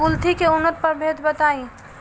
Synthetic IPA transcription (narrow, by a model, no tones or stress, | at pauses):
ult̪ikeʊnːət̪̚pəɾbʱed̪bət̪aĩ